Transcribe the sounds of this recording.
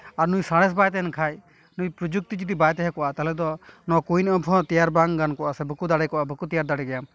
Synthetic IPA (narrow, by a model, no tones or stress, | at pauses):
aɾnujsaɽ̃ɛs̬bajt̪ɛnkʰaj | nujpɾɔd͡ʒuk̚t̪id͡ʒit̪ibajt̪ɛɦɛkɔʔat̪alɛd̪ɔnɔkujnɔ̃bʱɔ̃t̪ijaɾbaŋɡankɔʔasɛbukud̪aɽajkɔʔabukut̪ijaɾd̪aɽɛɡɛjam